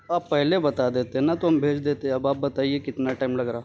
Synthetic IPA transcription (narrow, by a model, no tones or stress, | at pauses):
aːpːɛɦlebɐt̪ad̪eːt̪eɦɛ̃nat̪oɦɐmbʱeːd͡ʒd̪eːt̪eɛ̃ɐbaːp̚bɐt̪aːiekɪt̪naʈaːɪmlɐɡɾaː